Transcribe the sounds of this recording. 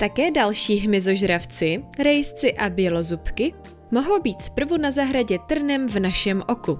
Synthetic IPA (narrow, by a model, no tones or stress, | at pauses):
t̪akɛːdalʃiːɦmɪzo̞ʒɾaft͡sɪɾɛjst͡sɪʔabjɛlo̞zupkɪ | mo̞ɦo̞wbiːt̪spr̩vunazaɦɾaɟɛt̪r̩nɛmvnaʃɛmʔo̞ku